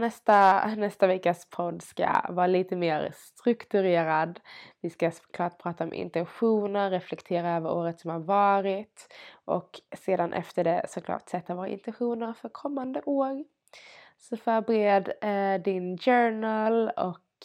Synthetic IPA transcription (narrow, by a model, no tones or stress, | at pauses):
nɛst̪anɛst̪avɛkːəspʰɔd̪ska̰vɑːɾaliːt̪əmeːɾst̪ɾɵkt̪ɵɾeːɾad̪vɪskaskʰlɑːʈ̚pʰɾɑːt̪aɔmʔɪ̰nt̪ɛnɧuːnəɾɾɛflɛkt̪ʰeːɾaøːvəɾoːɾət̪sɔmhaɾvɑːɾɪt̪ʔɔ̰kseːd̪anʔɛ̰ft̪əɖɛsɔkʰlɑ̰ːʈsɛt̪ːavoːɾa̰ɪ̰nt̪ɛnɧuːnəɾfœɾkʰɔmːand̪əʔoːɾ | sɔfœːɾbəɾeːd̪d̪ɪnd͡ʒœːɳəlɔ̰k